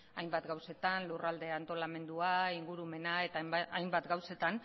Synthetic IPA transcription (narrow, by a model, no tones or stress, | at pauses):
ajmbat̪ɡawse̞t̪anlurald̪e̞ant̪o̞lame̞nd̪uaiŋɡuɾume̞nae̞t̪aajmbat̪ɡawse̞t̪an